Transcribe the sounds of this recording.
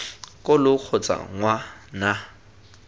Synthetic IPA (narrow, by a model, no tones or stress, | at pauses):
kʼʊlʊk͡xʰʊt͡sʼa̰ŋwana